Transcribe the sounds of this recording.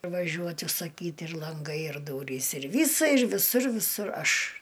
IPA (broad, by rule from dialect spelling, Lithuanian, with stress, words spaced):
ʋɐˈʒʲuɔtʲ ʊʃsɐˈkʲiːtʲ ɪr lˠɐŋˈɡɐɪ ɪr ˈduːrʲiːs ɪr ˈʋʲiːsɐ ɪr ʋʲɪˈsʊr ʋʲɪˈsʊr ˈɐʃ